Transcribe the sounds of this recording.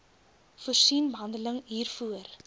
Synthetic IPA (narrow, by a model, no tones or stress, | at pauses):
fuərsinbəɦɐndələŋɦiːrfuər